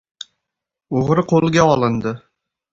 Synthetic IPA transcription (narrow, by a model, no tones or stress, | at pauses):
oʁɾɨqʰolˠɡʲaɒlˠɪnd̪ɪ